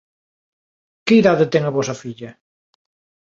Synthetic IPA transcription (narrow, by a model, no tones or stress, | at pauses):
keiðaðɪt̪ɛŋɐβɔsɐfiʎɐ